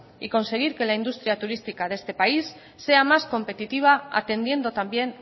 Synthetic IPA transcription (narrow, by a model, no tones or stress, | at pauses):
iko̞nse̞ɣ̞iɾke̞laind̪ust̪ɾiat̪uɾist̪ikaðe̞st̪e̞paisː | e̞amasko̞mpe̞t̪it̪iβ̞aa̰t̪e̞nd̪je̞nd̪ot̪ambje̞n